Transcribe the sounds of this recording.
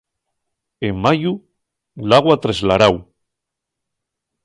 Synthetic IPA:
eːaju | laɣwat̪ɾezlaɾaw

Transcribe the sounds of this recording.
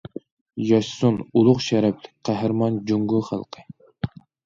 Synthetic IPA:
jɑʃsunulˠʊχʃɛɾɛpʰlɪk̚ʲqʰæɦɾmɑnd͡ʒuŋɡuχæ̰lˠqʰə

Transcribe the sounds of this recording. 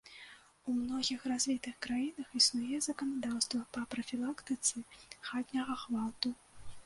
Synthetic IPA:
umnɔɣʲixrazʲvʲit̪ɨxkɾajinɐxisnujɛzɐkɐnad̪awst̪vɐpɐpɾɐfʲilˠakt̪ɨt̪sɨxad̪ʲnʲɐɣɐxvat̪u

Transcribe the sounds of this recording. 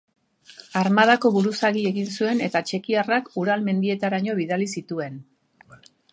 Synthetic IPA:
aɾmaðako̞βuɾusaɣie̞ɣinsue̞ne̞t̪at͡ʃe̞kiarakuɾalme̞nd̪ie̞t̪aɾaɲo̞β̞iðalisit̪ue̞n

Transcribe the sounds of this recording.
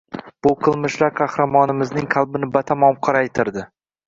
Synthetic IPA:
b̥ʊqʰɨlˠmɪʃlaɾqʰɑhɾamɒnɪmɪznɪŋqʰɑlˠbɪnɪbat̪ʰamɒmqʰɑɾajt̪ʰɪɾd̪ɪ

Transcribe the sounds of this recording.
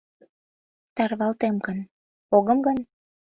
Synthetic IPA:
t̪ɑrβɑlt̪emkən | oɣəmɡən

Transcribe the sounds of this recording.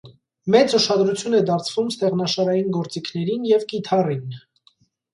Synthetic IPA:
mɛt͡suʃɑd̪ɾut͡sʰjunɛd̪ɑɾt͡sʰvumst̪ɛʁnɑʃɑɾɑjinɡɔɾt͡sikʰnɛɾinjɛvkit̪ʰɑrin

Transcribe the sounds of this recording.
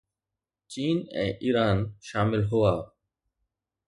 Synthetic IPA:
t͡ʃiːnɛ̰̃ːʔiːɾaːnʃaːmɪlɦʊaː

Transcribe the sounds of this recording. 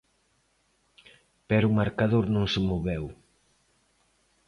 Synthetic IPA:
pɛɾumaɾkaðoɾnõŋsemoβew

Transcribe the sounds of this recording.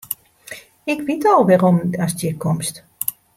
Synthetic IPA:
ɪkʋitɔlˠʋɛromasdɪkʰɔmst

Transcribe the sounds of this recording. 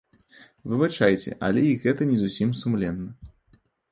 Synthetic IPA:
vɨbat͡ʂajt͡sʲɛ̰ʔɐ̰lʲɛiɣɛt̪ɐnʲɛzusʲimsumlʲɛnːɐ

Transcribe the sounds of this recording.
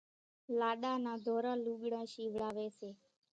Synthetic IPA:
laɗanad̪ʱoɾaluɡɽãʃiʋɭaʋese

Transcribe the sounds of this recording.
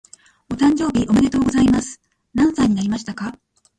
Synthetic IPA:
o̞t̪ãɲ̟d͡ʑo̞ːbʲiʔo̞mad̪e̞t̪o̞ːɡo̞zaimasɨ̥ | nãɰ̃saiɲ̟inaɾʲimaɕi̥t̪aka

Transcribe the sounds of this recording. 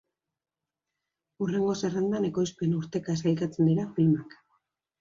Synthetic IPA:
ure̞ŋɡo̞serand̪ane̞ko̞jspe̞nuɾt̪e̞kaesajkat͡se̞nd̪iɾafilmak

